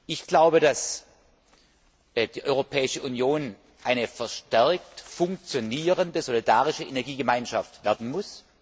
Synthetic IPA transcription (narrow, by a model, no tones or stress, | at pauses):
ʔɪçɡ̥laʊbədas | d̥iːʔɔʏʁopʰɛːɪʃəʔunjoːn | ʔaɪnəfɛɐʃtɛɐk̚tfʊŋk̚t͡sjoniːʁəndəzolidaːʁɪʃəʔenɛɐɡiːɡəmaɪnʃaftv̥ɛːɐdn̩mʊs